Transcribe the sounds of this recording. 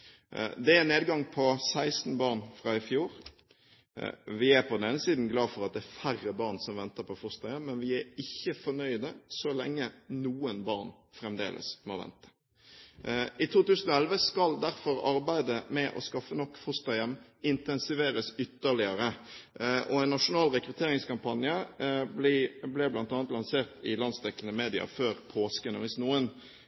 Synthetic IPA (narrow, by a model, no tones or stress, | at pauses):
d̪ɛæneːd̪ɡɑŋpʰɔsæɪst̪n̩bɑːʁnfʁɑːɪfjuːɾ | ʋɪæpʰɔd̪ɛneːnəsiːd̪n̩ɡlɑːfɔɾʁɑt̪̚d̪ɛæfærːəbɑʁnsɔmʋɛnt̪əɾpʰɔfʊst̪ɑjɛmːɛnʋɪæɪçːəfɔnœʏd̪əsɔlɛ̰ŋːənuːənbɑʁn | fɾɛmd̪ḛːlʔə̰smoʋɛ̰nt̪ə̥ | ʔɪt̪ʰuːt̪ʉːsən̩ɔɛlʋəskɑld̪æɾfɔɾɑɾbæɪd̪əmɛʔɔ̰skɑfːənɔkːfʊst̪ɑjɛmːɪnt̪ɛnsɪʋeːɾəsʏt̪ːəʁlɪəɾə | ʔɔɛɪnːɑʂʊnɑːlʁɛkɾʉt̪ʰeːɾɪŋskɑmpʰɑnjəbliblɛblɑnt̪ɑːnt̪lɑnseːʁt̪ɪlɑnsd̪ɛkːəlnəmeːd̪ɪɑ̰føːɾpʰoːskənəʋɪsnuːən